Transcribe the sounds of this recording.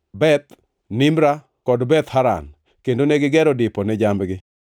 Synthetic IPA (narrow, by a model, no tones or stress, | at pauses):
bɛt̪ | nɪmɾa | kɔdbɛt̪haɾa̰n | kendonɛɡɪɡɛɾɔdɪpɔnɛd͡ʒambɡɪ